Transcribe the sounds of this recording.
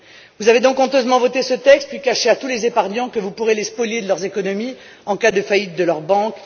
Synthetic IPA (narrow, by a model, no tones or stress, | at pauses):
vuzaved̪ɔ̃kɔ̃t̪øzmɑ̃vɔt̪esət̪ɛkst̪̚pɥikaʃeat̪ulezepaʁɲɑ̃kəvupuʁelespɔljed̪əlœʁzekɔnɔmi | ɑ̃kad̪əfajit̪̚d̪əlœʁbɑ̃k